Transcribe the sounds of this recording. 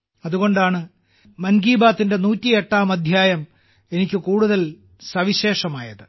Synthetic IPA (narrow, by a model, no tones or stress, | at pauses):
ɐðuɣo̞ɳɖaːɳɨ | mɐnɡiːbaːt̪ːinde̞nuːtːieʈːaːmɐd̪ʱjaːjɐm | e̞nikʲːɨkuːɽuðɐl | sɐʋiɕe̞ːʂɐmaːjɐðɨ